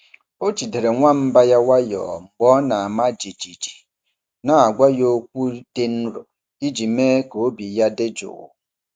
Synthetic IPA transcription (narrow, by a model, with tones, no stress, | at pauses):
o˦t͡ʃi˨de˨ɾe˨ŋʷa˦m̩˦ba˦ja˦wa˦jɔ̰ː˨m̩˨ɡ͡bɔ˦na˨a˨ma˦d͡ʒi˨d͡ʒi˨d͡ʒi̥˨ | na˨a˨ɡʷa˦jo˦kʷu˦d̥e˦n̩˦ɾo̰˨ | i˦d͡ʒi˨meː˦ko˨o˦bi˨ja˦de˦d͡ʒo̰˨